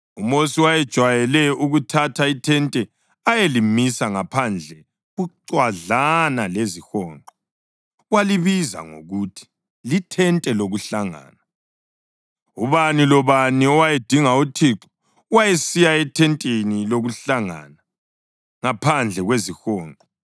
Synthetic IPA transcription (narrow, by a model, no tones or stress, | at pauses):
umosiwajɛd̥ʒ̥ʱwajɛlɛuɣutʰatʰaitʰɛntʼɛ | ajelimisaŋapʰand͡ɮʱɛ | ɣuǀwaɮanalezixɔːŋǃɔ | waliβiza̰ŋo̰ɣutʰi̥ | litʰɛntʼɛloɣuɬaŋa̰ːna | uβanilɔβaniɔwajed̥ʱiŋautʰiǁɔ̥ | wajesijaɛtʰɛntʼeniloɣuɬaŋa̰na | ŋapʰand͡ɮʱɛɣwezixɔːŋǃʱʼɔ